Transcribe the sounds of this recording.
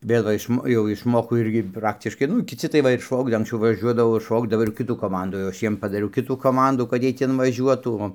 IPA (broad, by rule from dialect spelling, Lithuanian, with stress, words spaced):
ˈbʲeːɡoː ɪʃˈmoː jɛʊ ɪʃˈmoːkoː ˈɪrʲɡʲɪ ˈprɑːktʲɪʃkɐɪ ˈnʊ kʲɪˈt͡sʲɪ tɐɪ ˈʋɐ ɪr ˈʃɐʊɡdɐ ɐŋksʲˈt͡sʲɛʊ ʋɐˈʒʲuɔdɐʋoː ɪr ˈʃɐʊɡdɐʋoː ɪr ˈkʲɪtuː ˈkoːmɐnduː jɛʊ ˈɐʃ ˈjiɛm pɐdɐˈrʲɛʊ ˈkʲɪtuː koːˈmɐnduː kɐt ˈjiɛj ˈtʲɛn ʋɐˈʒʲuɔtuː oː